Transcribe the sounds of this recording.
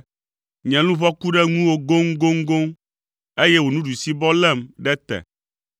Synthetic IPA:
ɲɛ̃˨lũ˦βɔ˦ku˦ɖɛ˦ŋũ˦wo˦ɡo˦ŋɡo˦ŋɡo˦ŋ | e˦jɛ˦wo˨nũ˦ɖu˨si˦bɔ˦lɛ˦˨mɖɛ˦t̪ɛ̰˨

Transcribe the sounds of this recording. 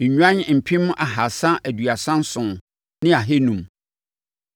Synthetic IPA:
ɲ̩˨ɲᶣ˦ã˦ɲ˦˨m̩˨pʰĩ˦mʊ̃˦ʔa˨ɦa˨sã˦ʔæ˨dɥa˨sã˦n̩˦sʊ̃˨ | nɪ̃˦a˨ɦe˦nũ˨m

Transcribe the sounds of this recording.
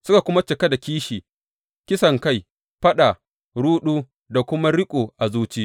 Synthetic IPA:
sʊ˦ka˨kʷʊ˦ma˦t͡ʃɪ˨ka˦da˨kʲiː˦ʃiː˨ | kʲɪ˦sɐ˨ŋka˦˨j | ɸɐ˦ɗa˨ | ɽuː˦ɗuː˦ | da˨kʷʊ˦ma˦ɽɪ˦kʷʼoː˨ʔa˨zuː˦t͡ʃiː˦

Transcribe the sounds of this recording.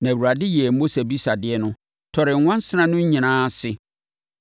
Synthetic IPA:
nã˨wu˨ɾa˨dɪ˦jɛ˨ɛ˨mo˦se˨bi˦sa˨dɪ˦ɛ˦nʊ̃˦ | tʰɔ˨ɾɪ˨ŋ̩˨˦wã˦n˦sɪ˦nã˦nʊ̃˦ɲ̩˦ɲĩ˨nãː˦sɪ˦

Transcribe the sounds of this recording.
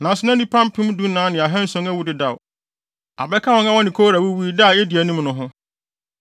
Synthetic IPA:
nã˨sɪ˨˦nã˦nĩ˦pʰã˦mpʰĩ˦m˦du˦nãː˨˦nɪ̃˨a˨ɦɛ̃˦n̩˦sɔ̃˦ŋæ˦wu˦dɪ˨da˨w | a̰˨bɛ˦kʰa˦wɔ˦ŋã˦wɔ̃˦nɪ̃˨kʰo˦ɾa˨wu˦wi˦da˦˨ɛ˦di˨æ˨nũ˦m˦nʊ̃˦ɦʊ̃˦

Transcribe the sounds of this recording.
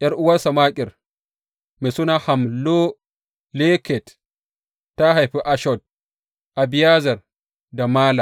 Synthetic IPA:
ʔɐ˦ɾʔʊ˦wa˦ɾsa˨maː˦kʲʼɪ˨ɾ | mi˨su˦na˦ha˨mlo˦ | lɛ˦kɛ˨tː | a˦ɦa˨jɸi˦ʔa˦ʃɔd̚ | ʔa˨bi˨ja˦zɐ˨ɾ | da˨maː˦la˨

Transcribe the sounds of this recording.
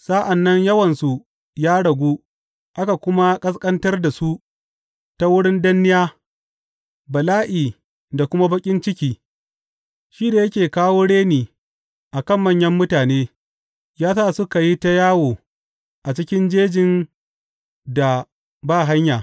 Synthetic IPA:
sa˦ʔa˨nːɐ˦ɲjɐ˦wɐ˨nsu˨ | jaː˦ɽɐ˨ɡʷuː˦ | ʔa˦ka˨kʷʊ˦ma˦kʼɐ˦skʼɐ˦ntɐ˦rda˨su˦ʔ | ta˦wʊ˦ɽɪ˦ndɐ˦nːɪ˦jaː˦ | bɐ˨laː˦ʔiː˨ | da˨kʷʊ˦ma˦bɐ˦kʲʼɪ˦nt͡ʃɪ˦kʲiː˨ | ʃiː˦da˨jɐ˦kʲeː˨kaː˦woː˦ɽeː˦niː˨ | ʔa˨kɐ˦˨mːɐ˦ɲjɐ˦mːʊ˦taː˨neː˦ | jaː˦saː˦sʊ˦ka˨ji˦ta˦jaː˦woː˨ | ʔa˨t͡ʃɪ˦kʲɪ˦nd͡ʒeː˦d͡ʒɪ˨n | da˨ | baː˦˨ɦa˦ɲjaː˨

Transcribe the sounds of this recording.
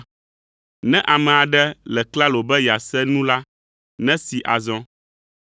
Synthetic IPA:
nɛ̃˦ʔa˨mɛ̃˨a˨ɖɛ˦lɛ˨kla˦lo˨bɛ˦ja˨sɛ˦nũ˦la˦ | nɛ̃˦si˨ʔa˨zɔ̃˦

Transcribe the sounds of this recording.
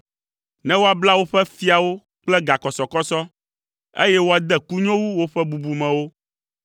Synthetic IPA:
nɛ̃˦wo˦a˨bla˦wo˦ɸɛ˦fi˦a˨wo˦ | k͡plɛ˦ɡa˨kɔ˨sɔ˨kɔ˦sɔ˦ | ḛ˦jɛ˦wo˦a˨d̪ɛ˦ku˦ɲɔ̃˦wu˦wo˦ɸɛ˦bu˨bu˨mɛ̃˨wo˦

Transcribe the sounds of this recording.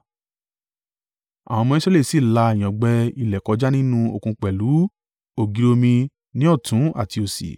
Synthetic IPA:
a̰˨w̃ɔ̃˧mɔ̃˧ĩ˦sɾɛ˦le˦˨si˦˨la˧e˨j̃ã˨ɡ͡bɛ˧i˧lɛ˨kɔ˧˦d͡ʒa˦nĩ˦nũ˦o̰˧˨kũ˧k͡pɛ˨lu˨˦ | o˨ɡi˧ɾo˧mĩ˧ | nĩ˦ɔ˦˨tũ˨˦a̰˦˨ti˧o˧sḭ˨

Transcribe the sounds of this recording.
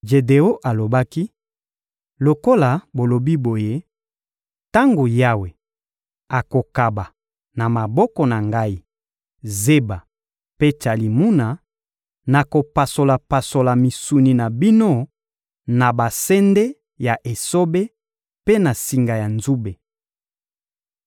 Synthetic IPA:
ʒe˨de˨o˦ʔa˨lo˨ba˦ki˦ | lo˨ko˦la˨bo˨lo˨bi˦bo˨je˦ | ta˦ŋɡo˨ja˦we˨ | a˨ko˨ka˨ba˨ | na˨ma˨bɔ˦kɔ˨na˨ŋɡa˦i˦ | ze˦ba˨ | pe˦t͡ʃa˨li˨mu˦na˨ | na˨ko˨pa˨so˨la˨pa˨so˨la˨mi˨su˨ni˨na˨bi˦no˦ | na˨ba˨sɛ˦nde˦ | ja˨ʔe˨so˦be˦ | pe˦na˨si˨ŋɡa˨ja˨nzu˦be˨

